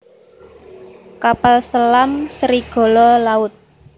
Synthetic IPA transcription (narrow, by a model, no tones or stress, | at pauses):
kapalsəlamsəɾiɡ̥ɔ̤lɔlaʊt̪̚